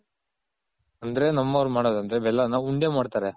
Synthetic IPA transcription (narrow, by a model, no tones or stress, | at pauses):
ɐnd̪ɐɾe̞nɐmːɐʋɐɾumaːɽoːd̪ɐnd̪ɾebɛlːɐnɐuɳɖeːmaːɖt̪aːɾe